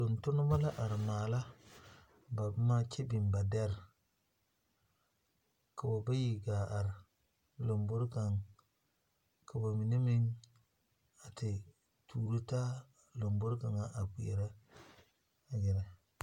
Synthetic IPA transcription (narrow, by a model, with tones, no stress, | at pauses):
lo˨ntu˦n˦ba˦la˦ʔa˨ɾmaː˨la˦ | ba˨˦ma˦t͡ʃe˦bi˨mba˨dɛ˦ɾ | ka˨ba˨ba˦ji˨ɡa˨ʔa˨ɾ | lo˨mbu˦ɾka˨ŋ | ka˨ba˨mi˨ni˦mi˦ŋ | a˨ti˨ | tuː˨ɾu˦ta˦ | lo˨mbu˦ɾka˨ŋa˦ʔa˨ki˨e˨ɾa˦ | a˨ɡi˨ɾa˨